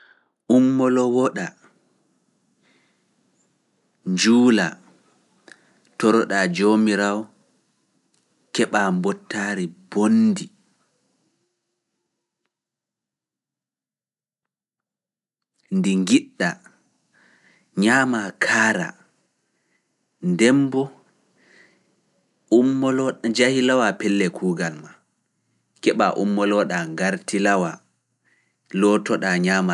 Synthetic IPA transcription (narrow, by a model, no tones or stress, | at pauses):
ʔumːɔlɔwɔɗa | ɲd͡ʒuːla | tɔɾɔɗad͡ʒomiɾaw | kɛɓaːmbɔtːaːɾib̥ondi | ndiŋɡiɗːa | ɲaːmakʰaːɾa̰ | ndɛmbɔ | umːɔlɔd͡ʒahilawapɛlːɛkʰuːɡalma | kɛɓa̰ʔumːɔlɔɗaŋɡaɾtilawa | lɔtɔɗaɲaːma